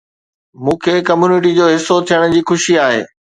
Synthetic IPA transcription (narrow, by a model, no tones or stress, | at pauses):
mũːkʰeːkɐmjuːnɪʈ̬id͡ʑoːɦɪsot̪ʰijəɽ̃d͡ʑiːxʊʃiaːɦḛː